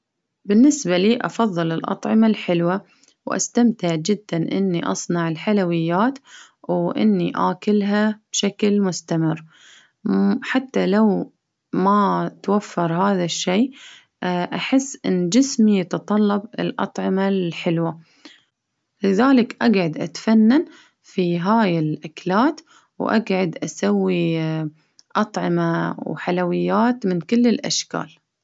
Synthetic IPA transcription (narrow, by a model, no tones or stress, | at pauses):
bɪnːɪsbaliːʔɑ̰fɑðˤːɨlɪlʔɑ̰t̪ˤʕɪmalħɪlwa | wʔa̰st̪amt̪ɪʕd͡ʒɪd̪ːanʔɪ̰nːiʔɑ̰sˤnɑʕɪlħalawɪjːaːt̪ | wʔɪ̰nːiʔaːkɪlɦab̥ʃaklmʊst̪amɪrː | ħat̪ːalaw | mat̪wafːɑɾˤhaːðaʃːeː | ʔaħɪsːʔɪnːd͡ʒɪsmijɑt̪ɑt̪ˤɑlːɑbɪ̰lʔɑ̰t̪ˤʕɑmalħɪlwa | lɪðaːlɪkʔaɡʕʊd̪ʔa̰t̪fanːan | fiɦaːjɪlʔaklaːt̪ | wʔa̰ɡʕad̪ʔasawːi | ʔɑt̪ˤʕɪmawħalawɪjːaːt̪mɪnkɪlːɪlʔa̰ʃka̰ːl